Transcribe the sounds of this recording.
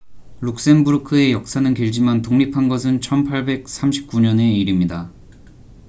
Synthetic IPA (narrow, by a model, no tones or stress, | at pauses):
ɾuk̚s͈e̞nbuɾkʰɯe̞jʌk̚s͈anɯnkeɭd͡ʑimantoŋɲipʰanɡʌs̬ʰɯnt͡ɕʰʌnpʰaɭbe̞k̚s͈ʰamɕʰi̥p̚k͈uɲʌne̞iɾimɲida